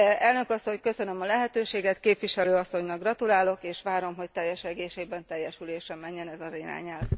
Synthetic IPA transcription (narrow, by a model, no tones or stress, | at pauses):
ɛlnø̞kɒsːo̞ɲkø̞sø̞nø̞mɒlɛɦɛt̪øːʃeːɡɛt̪keːpʋiʃɛløːɒsːo̞ɲnɒɡrɒt̪ulaːlo̞keːʃʋaːɾo̞mɦo̞ct̪ɛjːɛʃɛɡeːʃeːbɛnt̪ɛjːɛʃyleːʃrɛmɛɲːɛnɛzɒɾiɾa̰ːɲɛl